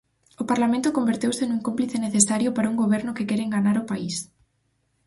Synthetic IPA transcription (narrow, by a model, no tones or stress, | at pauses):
ʊpaɾlamẽnt̪ʊkombeɾt̪ewsenũŋkompliθeneθesaɾjʊpaɾaɐuŋɡoβɛɾnʊkekɛɾeŋɡanaɾʊpais